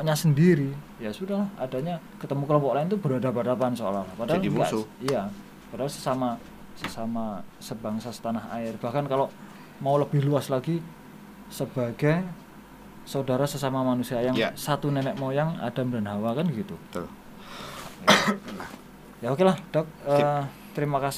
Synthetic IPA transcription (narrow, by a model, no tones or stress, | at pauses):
ʔɲasəndiɾi | jasudaɦlahadaɲa | kət̪əmukəlɔmpɔʔlaɪnt̪ubəɾadabadapansoa̰laɦlahpadaija | padasə̥sama | səsamasəbaŋsasə̥t̪anaɦa̰ɪrb̥ahkankalo | mauləb̥ɪhluaslaɡi | səb̥aɡaj | saudaɾasəsamamanusiajaŋsat̪unɛnɛk̚maujaŋa̰d̥amdanɦawakanɡəɡit̪u | jaokelahd̥ɔk̚ə | t̪əɾimakas